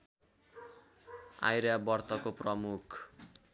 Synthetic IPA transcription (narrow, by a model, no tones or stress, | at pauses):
a̰jɾabʌrt̪ʌkoprʌmukʰ